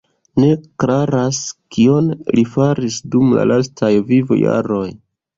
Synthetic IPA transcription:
ne̞kɾaɾaskio̞nlifaɾisdumla̰lastʰajvivo̰ja̰ɾo̞j

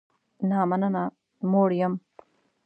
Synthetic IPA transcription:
naːmɐnɐna | moːɽijɐm

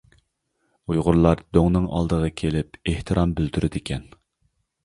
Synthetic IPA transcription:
ujʁʊɾlˠɑɾd̪oŋnɨŋɑ̰lˠd̪əʁəkʲʰelɪpeht̪ʰɨɾʔɑmbylt̪yɾʔɪd̪ɪkʲʰɛn

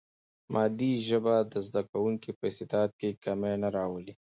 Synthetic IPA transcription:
mʔɑd̪iʒəbad̪əzd̪akawʊŋkipəst̪ɪt̪ɑt̪̚kekamenaɾɑwəli

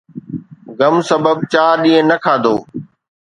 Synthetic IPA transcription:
ɡəmsəbəb̚t͡ʃaːɗĩːə̃nəkʰaːd̪oː

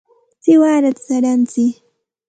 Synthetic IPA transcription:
sɪwaːɾat̪saɾant͡sɪ

